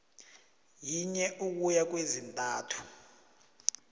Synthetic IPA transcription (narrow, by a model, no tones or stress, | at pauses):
jiɲɛʔuk̬ujak̬wezintʼaːtʰu̥